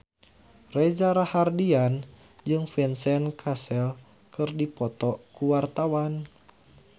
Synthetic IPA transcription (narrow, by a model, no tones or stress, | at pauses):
rɛd͡ʒaɾahardian | d͡ʒɨŋfɛnsɛnkʰasɛl | kɨrdipɔt̪ɔkuwart̪awan